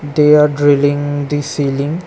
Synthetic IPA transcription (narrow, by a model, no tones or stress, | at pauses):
d̪eaɖɾɪlĩŋd̪isilĩŋ